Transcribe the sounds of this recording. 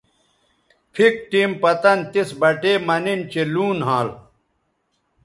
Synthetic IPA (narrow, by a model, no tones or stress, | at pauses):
pʰik̚ʈiːmpɐt̪ɐnt̪isbɐʈeːmɐnint͡ɕeluːnɦãːl